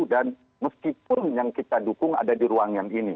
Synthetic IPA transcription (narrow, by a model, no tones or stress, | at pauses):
dan | məskipʊnjaŋkit̪adukʊŋa̰dadiɾuaŋjaŋini